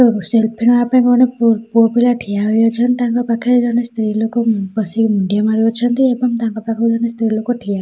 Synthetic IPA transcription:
uselpʰenɔapãkɔɔneppuɔbilaʈʰijaɦojɔt͡ʃʰɔnt̪aŋkɔpakʰiɾud͡ʒɔnest̪ɾilokopɔsikmuɳɖijamaɾiɔt͡ʃʰʌnt̪iebɔŋt̪aŋkɔpakʰɔɾud͡ʒɔnest̪ɾilokoʈʰijaɦ

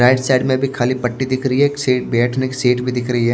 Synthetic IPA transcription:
ɾaːɪɖsaːɖmẽbʱikʰaːlipɐʈːid̪ɪkʰɾɐɦiɦɛkseːʈ̚bɛːʈʰnekiseːʈbʱid̪ɪkʰɾɐɦiɦɛ

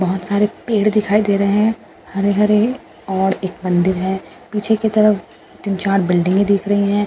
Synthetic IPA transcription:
bɐɦʊt̪saːɾepeːɽd̪ɪkʰaːid̪eːɾɐɦeɦɛ̃ | hɐɾeɦɐɾe | ɔːɾeːk̚mɐ̃nd̪ɪɾɦɛː | piːt͡ʃʰeket̪ɐɾəf | t̪ɪnt͡ʃaːɾʈbɪlɖɪ̃ŋɡid̪ɪːkʰɾɐɦiɦɛ̃ː

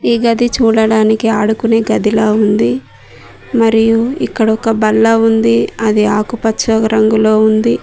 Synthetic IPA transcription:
iːɡɐd̪it͡ʃuːɽɐɽaːnikiaːɽukune̞ːɡɐd̪iloːund̪i | mɐɾijuikːɐɽɐɔkɐbɐlːɐːund̪iɐd̪iaːkupɐtːt͡ʃːɐɾɐŋɡulo̞ːund̪i

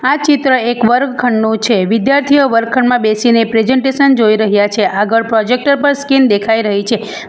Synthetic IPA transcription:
at͡ʃit̪ɾəekʋəɾɡkʰəɳːũt͡ʃʰeʋɪd̪jaɾt̪ʰijəʋəɾɡ̚kʰəɳmãbesinepɾed͡ʒɛɳʈesənd͡ʒoiɾəɦjat͡ʃʰeʔaɡəɭpɾɔd͡ʒek̚ʈəɾpəɾskind̪ekʰaiɾəɦit͡ʃʰe

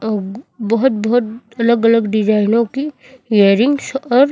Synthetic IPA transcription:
bɐɦʊt̪̚bɔɦʊt̪ | ɐləɡələɡɖɪd͡ʒaːɪnõki | eəɾɪŋɡsɔːɾ

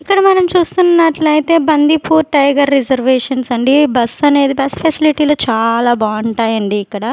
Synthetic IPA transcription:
ikːɐɽɐmɐnɐmt͡ʃuːst̪unnːɐʈlɐjit̪e̞ːbɐnd̪ʱipuːɾʈɐjɡɐɾːid͡ʒɐɾʋeːʂɐnsɐɳɖibɐsɐne̞ːd̪ibɐspʰɐsiliʈiːloːt͡ʃaːlaːbaːɐɳʈaːjɐɳɖiːkːɐɽɐ

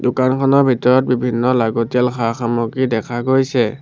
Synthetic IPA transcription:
dʊkankʰɔnɔɹbʱitɔɹɔt̚bibʱinːɔlaɡɔtialxʰaxamɔkidɛkʰaɡojsɛ

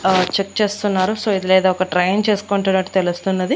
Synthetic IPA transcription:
t͡ʃek̚t͡ʃe̞ːst̪unːaːɾusoːid̪ilɛːd̪aːɔkɐʈɾɐjɐnt͡ʃe̞ːsu̥koːɳʈunɐʈːu̥t̪elust̪unːɐd̪i

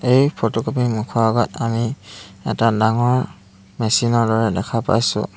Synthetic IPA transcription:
ejpʰɔtɔkɔpimukʰɔɡat̚aniɛtadaŋɔ | mɛsinɔdɔɹɛlɛkʰapa̰jsṵ

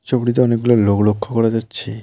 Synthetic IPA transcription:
t͡ɕobɽit̪̬eɔnek̚ɡuloɾloklokʰːokɔɾad͡ʑatːɕʰi

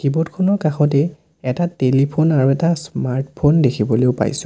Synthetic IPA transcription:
kibɔtkʰɔnɔɹkaxɔtɛ | ɛtatelipʰonaɹuɛtasmaɹtpʰondekʰibɔleʊpa̰jsʊ̃

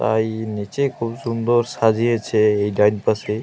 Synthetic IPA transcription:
t̪a̰jnit͡ʃejkʰubsund̪ɔɾsad͡ʒʱiet͡ʃʰeːjɖajnpase

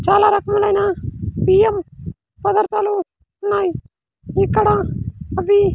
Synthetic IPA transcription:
t͡ʃaːlaːɾəkʰməlaːinaːpiːəm | pəd̪əɾt̪aːloː | naːiː | ikːəɽãːəbiː

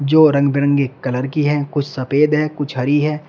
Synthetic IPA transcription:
d͡ʒoːɾɐ̃ŋɡbɪɾə̃ŋɡekɐləɾkiɦɛːkʊt͡ʃʰsɐpeːd̪ɦɛːkʊt͡ʃʰɦɐɾiɦɛː

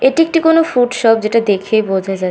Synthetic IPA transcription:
eʈiek̚ʈikonofuɖʃɔp̚d͡ʑeʈad̪ekʰebod͡ʑʱad͡ʑa

